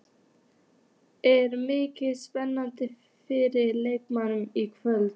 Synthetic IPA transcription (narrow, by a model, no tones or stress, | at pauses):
æɾmykəspɛnːand̪ə | feːɾəlɛkmanmikʰvɛl